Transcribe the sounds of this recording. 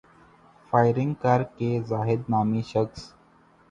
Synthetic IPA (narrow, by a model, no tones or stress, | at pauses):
faːɪɾɪ̃ŋɡkaːɾkezaːɦɪd̪̚naːmiʃəks